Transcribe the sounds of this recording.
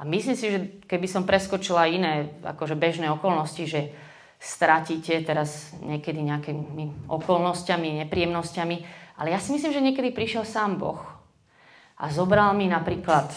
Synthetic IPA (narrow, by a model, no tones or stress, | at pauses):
ʔamislimsiʒɛkɛbisɔmpɾɛskɔt͡ʃilainɛːa̰kɔʒɛbɛʒnɛːɔkɔlnɔsciʒɛ | st̪ɾaciːcɛt̪ɛɾazɲɛkɛd̪iɲɛakimiʔɔ̰kɔlnɔscamiɲɛpɾijɛmnɔscamiʔa̰lɛjasimisliːmʒɛɲɪɛkɛd̪ipɾiʃɪɛlsaːmbɔ̰x | ʔa̰zɔbɾalminapɾiːklat̪